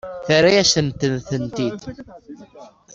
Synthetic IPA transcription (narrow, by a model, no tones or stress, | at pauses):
θaɾajæsənt̪ənθənt̪id̪